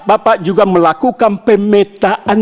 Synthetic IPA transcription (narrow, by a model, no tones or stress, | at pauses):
bapaʔd͡ʒuɡaməlakukanpəmet̪aʔan